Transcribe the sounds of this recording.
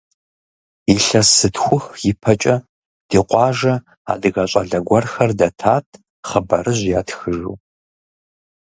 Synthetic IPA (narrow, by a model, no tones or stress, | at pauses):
iɬɐsɨtʰxʷʊxjɪpʰɐt͡ʃʼɐ | d̥iːqʷɑːʒɐ | a̰ːdɨɣɐɕʼɐɮɐɡʷɐrxɐrdɐtʰaːtʰ | χəbɐɾɨʑjaːtxɨʒṵː